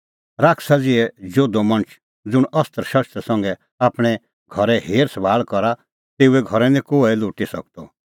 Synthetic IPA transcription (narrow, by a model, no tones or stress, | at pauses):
ɾaːkʰsad͡zɪɛd͡ʒoːd̪ɔmɐ̃ɳ̃ət͡ʃʰ | d͡zʊɽ̃ɐst̪əɾʃɐɾst̪asɐ̃ŋɡɛ | aːpɽ̃ɛ | ɡʱɔɾɛɦeːɾsbaːlkɔɾa | t̪eːuɛɡʱɔɾɛnĩkoːɛlʊːʈisɐ̰k̚t̪ɔ